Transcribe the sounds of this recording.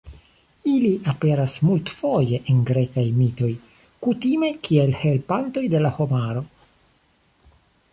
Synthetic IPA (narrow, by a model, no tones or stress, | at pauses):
iliʔape̞ɾasmultfo̞je̞ʔenɡɾe̞kajmito̞j | kutime̞kʰielhe̞lpanto̞jde̞laho̞maɾo̞